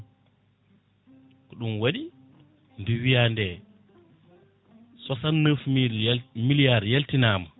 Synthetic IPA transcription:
kɔɗumwaɗi | nduwijandɛ | sɔsanːəfmimilijaɾjeltinaːma

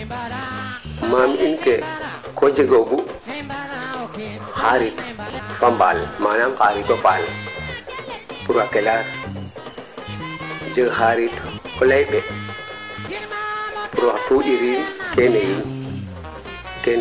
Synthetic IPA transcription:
mamiinkɛ | kɔd͡ʒeɡoɡu | haɾitfamba̰lmanamhaɾitɔfal | puɾwakɛlaɾ | d͡ʒeɡhaɾitkɔlajɓɛ | puɾatuʔiɾikenajin | kɛn

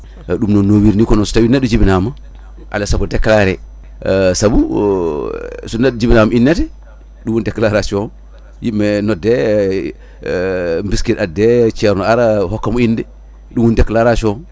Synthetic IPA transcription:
ɗumnonowiɾnikonosu̥tawinadud͡ʒibinama | ʔa̰lasakodekːlaɾɛ | sabu | sunadud͡ʒibinamaʔinːetɛ | ɗumːwundeklaɾasio | jimːenode | mbiskiɾadet͡ʃeɾnoaɾahokːamuindɛ | ɗumwundeklaɾasio

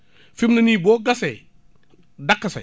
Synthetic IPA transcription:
fibnɐniboːɡase | dakːɐsḛ

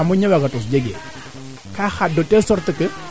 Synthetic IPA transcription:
amuɲɛwaɡatɔsd͡ʒeɡḛ | kaxadɔtɛsɔɾtəkə

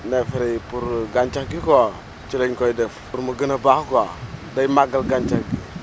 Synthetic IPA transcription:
nefɾepuɾɡant͡ʃakɡiko | t͡ʃileɲkojdɛf | uɾmuɡənabahkodajmaɡalɡant͡ʃakɡi

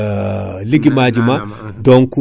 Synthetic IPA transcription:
liɡimad͡ʒimadɔŋku

